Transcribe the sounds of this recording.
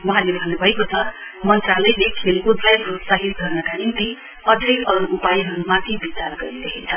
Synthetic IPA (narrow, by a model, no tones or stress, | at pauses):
wʌɦãlebʱʌnːubʱʌekot͡sʰʌ | mʌnt̪ralʌjlekʰelkud͡z̪lajbod̪saɦit̪̚ɡʌrnʌkanint̪i | ʌd̪ʱjʌjʌɾuupajɦʌɾumat̪ʰibitarɡʌɾid̪ekʰint͡sʰʌ